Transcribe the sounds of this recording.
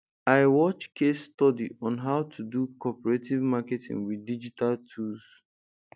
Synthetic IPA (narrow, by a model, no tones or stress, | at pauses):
aɪwɔt͡ʃkʰesːtɔdiɔ̃nɦaʊtʰudukɔpɛɹetivmaketʰḭ̃ŋɡwidid͡ʒitaltʰus